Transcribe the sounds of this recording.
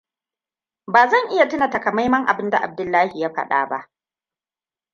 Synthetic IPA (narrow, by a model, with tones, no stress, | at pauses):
baː˨zɐ˦˨ŋʔɪ˦ja˨tɪ˦na˨tɐ˨ka˨ma˦jmɐ˦ŋʔa̰˨bɪ˦nda̰˨ʔa˨b̚dʊ˨lːaː˦hi˨ja˦ɸɐ̰˦ɗa̰ː˦ba̰˦ʔ